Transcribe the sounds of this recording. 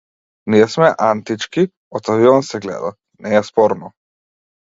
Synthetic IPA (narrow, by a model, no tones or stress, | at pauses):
niɛsmɛʔant̪it͡ʃki | ɔt̪aviɔnsɛɡlɛ̰d̪a | nɛɛspɔɾnɔ